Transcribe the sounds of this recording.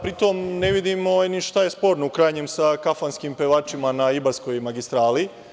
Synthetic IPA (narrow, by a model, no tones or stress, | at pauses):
pɾit̪omne̞ʋid̪imo̞niʃt̪aje̞spo̞ːɾnoukɾaːjɲemsakafanskimpeʋaːt͡ʃimanaibasko̞jmaɡist̪ɾaːli